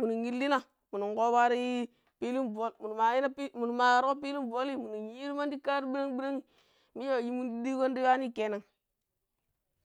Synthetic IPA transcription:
mu˨ni˨ŋi˦lːi˦na˦ | mu˨ni˨ŋɡo˦wa˦ɾi˦ | pi˦li˦nvo˦lmu˨n˨ma˨ji˦na˦pi˦mu˨n˨ma˨ja˨ɾko˦pi˦li˦mvo˦li˦mu˨ni˨ji˦ɾi˦ma˦ndi˦ka˦ɾbi˦ɾa˦ŋbi˦ɾa˦ŋi˨ | mi˦ja˦˨wa˨ji˦mu˦ndi˦di˦ko˦ndi˦wa˦ni˦˨ke˨˦na˨ŋ

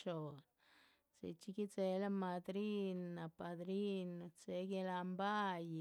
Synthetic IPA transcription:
t͡ʃo˨n | t͡sḛ˧t͡ʃi˧ki˦t͡se˧la˦ma˧d̪ɾi˦nːa˨pa˧d̪ɾi˦n˨t͡se˧˦ɡe˧la˧mba˦j

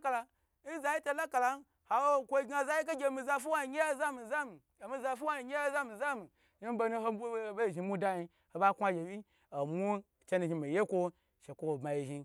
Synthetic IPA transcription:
ka˨la˧ | n̩˦za˦ji˦to˨la˦ka˨la˨n˦ | ha˨wo˦˨kʷo˦i˦ɡa˨za˦ji˦ka˦ɡʲe˧˨mi˨za˧fu˦wa˦i˨ɲʲe˦ja˦za˦mi˨za˦mi˨mi˦za˧fu˦wa˦i˨ɲʲe˦a˦za˦mi˨za˦mi˨ | ni˦m˦bo˧nu˦ɦo˧˦bʷo˦˨ba˦i˨ʒi˧˨mu˦da˦ji˧ | ho˧ba˦kʷa˦ɡʲe˨i˦ | o˨mu˦˨t͡ʃe˦nu˨ʒi˧mi˨je˦kʷo˦ | ʃe˨kʷo˦wo˨bma˨ji˨ʒi˧

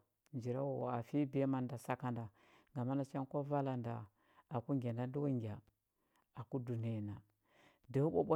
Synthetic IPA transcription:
nd͡ʒi˨ɾa˦wo˨a˨fi˦bi˨a˦ma˨nda˨sa˦ka˦nda˨ | ŋɡa˨ma˦na˨˦t͡ʃa˦n˦ko˦va˦la˨nda˨ | a˨ku˦ŋɡʲa˨nda˦du˦wa˦ŋɡʲa˨ | a˨ku˦du˨ni˦˨na˨ | da˨u˦ɓo̰˦ɓo˦

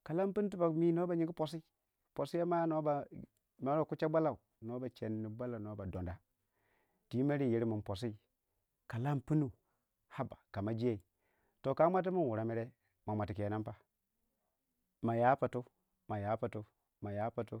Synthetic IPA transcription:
ka˨la˦mpu˦n˦tu˦ba˨mi˦no˦ba˨ɲi˦ŋɡi˦po˨s̬i˦ | po˨si˦ja˦ma˦no˦ba˨ | no˨˦ɾo˨ku˦t͡ʃa˦ba˦la˨u˨ | no˦ba˨t͡ʃe˨nːi˨ba˦la˨no˨˦ba˨do˨nda˨ | ti˦ma˦ɾi˦˨ji˨˦ɾmu˨po˨s̬i˦˨ | ka˨la˦mpu˦nu˨ | ha˦ba˨ka˨ma˨d͡ʒi˦je˦i˨ | to˨ka˦ma˦t̬i˦mu˦n˨wu˨ɾa˨mi˦ɾe˦ | ma˨mʷa˨ti˨ki˨e˨na˦mpa˦ | ma˨ja˦pa˨tu˦ | ma˨ja˨˦pa˨tu˦ | ma˨ja˦pa˨tu˦

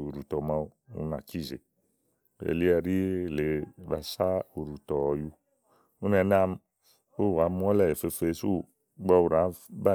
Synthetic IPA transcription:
u˨ɾu˨tɔ˨ma˧u˦ṵ˦na̰˨ki˦˨ze˨ | bḛ˨li˦ɛ˧ɾi˦˨le˨ba˨sa˦u˨ɾu˨tɔ˨ju˧ | u˦nɛ˨˦na˦m | o˦˨a˨˦mu˦ɔ˦lɛ˦˨e˨fe˧fe˨˦su˦ | ɡ͡ba˧u˨ɾa˨˦ba˦˨

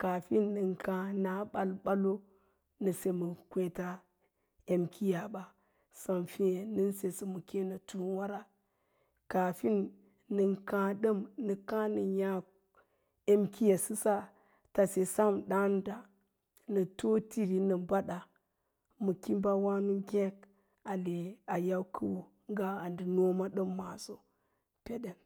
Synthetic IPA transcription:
ka˨fi˦nːɨ˨nkã˨na˨˦ɓa˦lɓa˦lo˦ | nə˨se˨mu˨kʷe˨ta˦ | e˨mkʰi˦ja˨ba˨ | sa˨mfi˦e˨nɨ˦n˦se˨sə˨mu˨ke˦na˨tu˦wa˦ɾa˨ | ka˨fi˦nː | ə˨nkã˨ɗə˦mnə˨ka˦nə˨ja˦ | e˦mkʰi˦je˨sɨ˦sa˦ | ta˨se˨sa˦mɗa˦n˦da˨ | nə˨to˦ti˦ɾi˨nə˨ba˦ɗa˨ | mu˨ki˦mba˦wa˦nu˦ɡʲe˦k | a˨le˨a˨ja˦wkʰu˦wu˨ | ŋ˦ɡa˦a˨ndi˨no˦ma˦ɗə˦mːa˨so˦ | pe˦ɗe˨n

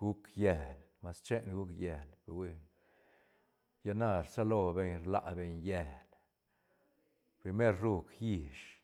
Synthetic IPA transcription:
ɡu˦kje˧˨lma˧st͡ʃe˦nɡu˦kje˨lbwi˧ | ja˧na˧ɾsa˦lo˧be˧ɲɾla̰˨ʔbe˧ɲje˧˨l | pɾi˧me˦ɾɾu˦˧kji˧ʃ

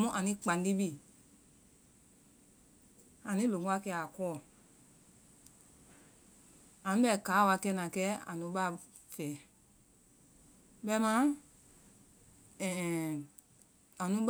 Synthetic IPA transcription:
mũ˦ʔã˨nĩ˧˦k͡pã˨ndi˦bi˦˨ | ã˨nĩ˦lo˨ŋu˦a˧˦kɛ˧a˨kɔː˦˨ | a˨nũ˦ɓɛ˦˨kaː˨˦˨wa˧kɛ˧˦nã˨kɛ˦ã̰˨nũ˧˦ba˦˨ | fɛ˨˦ | bɛ˧˦mã˦ | ɛ̃˨ | ã˨nũ˦b

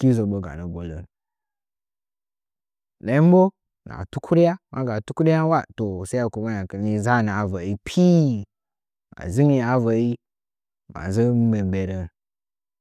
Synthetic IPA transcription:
ki˦zo˨ɓo˨ɡa̰˨nə˨ɡo˨lə̰˨n˨ | la˨i˦m˦bo˦ | na̰˨tu˦kʰu˦ɾi˦ja˦mʔa˦ɡa˨tu˦ku˦ɾi˦a˦wa˦to˨sa˦a˨ku˨ma˦ja˨kə˨ni˦za˦˨nə˨a˨va˨ji˦pʰi˦ | a̰˨zi˦ŋi˦a˨va˨ji˦ | ma̰˨zə˦m˦be˨mbe˨ɾə˨

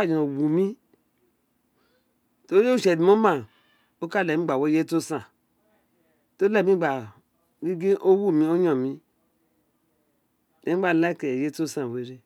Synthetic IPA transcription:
a˦˨d͡ʒo˨wu˨mi˦ | to˦je˦u˦˨ʃe˨di˨mo˦ma˨ | o˦ka˦˨lɛ˨mi˦ɡ͡ba˨wo˦je˦to˦sã˨ | to˦le˦˨mĩ˦ɡ͡ba˨ | ɡi˦ɡi˦ʔo˦wu˦˨mi˦o˦ɲo˨mi˦ | de˨˦ɡ͡ba˨la˦ke˨je˦to˦sã˨we˨ɾe˦

